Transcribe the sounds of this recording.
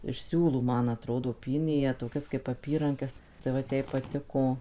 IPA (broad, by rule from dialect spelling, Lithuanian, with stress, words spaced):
ɪʃ ˈsʲuːlˠuː ˈmɐn ɐˈtroːdoː ˈpʲiːnʲeː jiɛ toːˈkʲɛs kɐɪp ɐˈpʲiːrɐŋʲkʲɛs tɐɪ ˈʋɐt ˈjɛɪ pɐˈtʲɪkoː